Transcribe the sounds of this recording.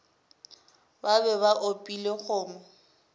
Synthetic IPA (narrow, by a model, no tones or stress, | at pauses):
babɛbaʔopʼileχʊːmɔ